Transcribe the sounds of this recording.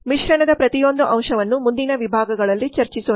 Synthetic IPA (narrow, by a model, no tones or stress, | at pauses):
miʃɾɐɳɐd̪ɐpɾɐt̪ijo̞nd̪uʔɐmʃɐʋɐnːumund̪inɐʋibʱaːɡɐɡɐɭɐlːit͡ʃɐɾt͡ʃiso